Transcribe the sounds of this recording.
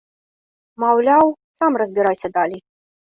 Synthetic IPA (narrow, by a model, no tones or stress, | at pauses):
mawlʲaw | samrɐzʲbʲiɾajsʲɐd̪alʲij